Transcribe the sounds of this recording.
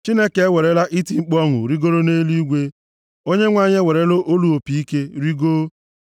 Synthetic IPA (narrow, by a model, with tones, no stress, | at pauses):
t͡ʃi˦ne˦ke˨e˦we˨ɾe˦la˦ʔi˦ti˨ŋ͡m̩˦k͡pɔ˦ŋʊ̰˨ɾi˦ɡo˦ɾo˦ne˦li˦ɡʷe˦ | o˦ɲe˦ŋʷa˦˨ɲe˦we˨ɾe˦lo˦ʔo˦lu˨o˨pi˨i˦ke˦ɾi˦ɡo˦